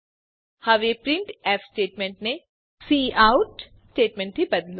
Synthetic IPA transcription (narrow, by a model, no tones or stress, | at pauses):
haːʋepɾɪ̃ɳʈɛːfsʈeːʈmẽɳʈne | siːaːʊʈ | sʈeːʈmẽɳʈbibɐd̪l